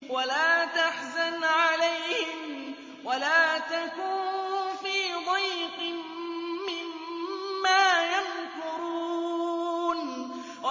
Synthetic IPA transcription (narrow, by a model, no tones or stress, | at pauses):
walaːt̪aħzanʕalajhɪm | walaːt̪akuːnnfiːd̪ˤɑjqɨː | ɪmː | aːjamkʊɾuː | n | w